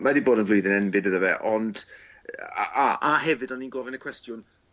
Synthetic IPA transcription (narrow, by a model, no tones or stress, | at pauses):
madiboːdənvlˠʊjðɪnɛnbɪdəðəvɛʔɔnd | aaɦɛvɨdɔninɡɔvɪnəkʰwɛstjʊn